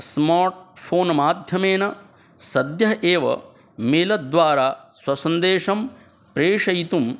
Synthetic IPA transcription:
smaːɾʈ̚pʰoːnmaːd̪ʱjɐmeːnɐ | sɐd̪jɐɦeːʋɐ̰ | meːlɐd̪ʋaːɾaːswɐsɐnd̪eːʂɐm | pɾeːʂɐjt̪um

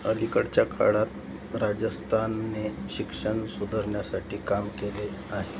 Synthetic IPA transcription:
əlikəɽt͡ɕjakʰa̰ɽat̪̚ | ɾad͡ʑəst̪ʰanːeɕikʂəɳsud̪ʱəɾɳjasaʈʰiːkamkele | aɦe

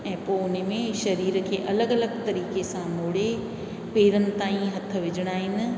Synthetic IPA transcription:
ɛ̃ːpoːʊnmẽʃɐɾiːɾkʰeːʔɐləɡɐləɡt̪ɐɾiːkesãmʊːɽe | peːɾənɪ̆t̪aːĩɦɐt̪̆ʰʋɪd͡ʑʱɪɽ̃aːɦɪnɪ̆

